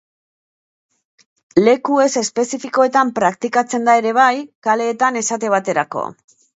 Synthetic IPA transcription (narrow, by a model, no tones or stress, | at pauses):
le̞kue̞se̞spe̞sifiko̞e̞t̪ampɾakt̪ikat͡se̞nd̪ae̞ɾe̞β̞ajkale̞ːt̪ane̞sat̪e̞β̞at̪e̞ɾako̰